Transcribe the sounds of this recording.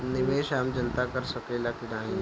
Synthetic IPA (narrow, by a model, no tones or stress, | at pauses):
nɪʋeːʃaːmd͡ʒənt̪akɐɾsɐkeːlakɪnaːɦĩ